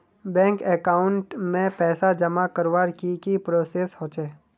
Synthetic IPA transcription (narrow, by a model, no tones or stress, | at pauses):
bɛ̃ːŋkekaːʊɳʈmẽpɛːsad͡ʒɐmakəɾʋaːɾkikipɾoːseːshoːt͡ʃeː